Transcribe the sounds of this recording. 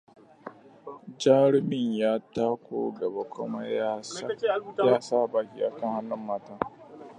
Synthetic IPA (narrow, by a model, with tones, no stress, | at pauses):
d͡ʒaː˦ɽɪ˦mɪ˨ɲjaː˦taː˦kʷoː˦ɡɐ˨ba˦kʷʊ˦ma˦jaː˦sjaː˦saː˦˨baː˨kʲi˦ʔa˨kɐ˦˨ha˦nːʊ˦mːaː˦taː˦